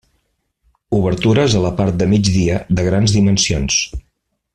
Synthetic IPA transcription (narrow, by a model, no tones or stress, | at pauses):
uβəɾt̪uɾəzələpaɾt̪̚d̪əmid͡ʒðiəðəɣ̞ɾanzðimənsions